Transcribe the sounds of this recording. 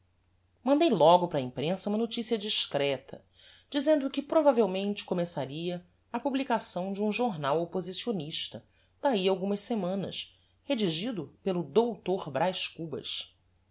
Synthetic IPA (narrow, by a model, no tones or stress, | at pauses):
mɐ̃nd̪ejlɔɡʊpɾɐĩpɾẽsɐumɐnot͡ʃisiɐd͡ʒiʃkɾɛt̪ʰɐ̰ | d͡ʒizẽnd̪ʊkɪpɾovavewmẽnt͡ʃɪ̥komesaɾiɐ | ɐpublikasɐ̃w̃d͡ʒɪũʒoɾnawopozisioniʃt̪ɐ | d̪̥aiawɡũmɐʃsemɐ̃nɐ̰ʃ | hed͡ʒiʒid̪ʊpelʊd̪owt̪oɾbɾʔajʃkubɐ̰ʃ